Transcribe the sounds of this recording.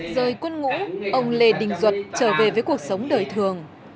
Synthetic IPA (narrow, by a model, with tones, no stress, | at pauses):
zəː˨˩jkwə˧nŋṵ˧˥ʔə˧wŋ͡mle˧ɗï˨˩ŋ̟zwə˨˩t̚t͡ɕəː˧˩ve˨˩vəː˨˦jku˨˩ək̚sə˨˦wŋ͡mɗəː˨˩jt̪ʰɨ˨˩əŋ